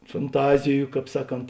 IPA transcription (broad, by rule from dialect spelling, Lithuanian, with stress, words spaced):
fɐnˈtɑːzʲɪjʊ ˈkɑːp ˈsɑːˌkoːnt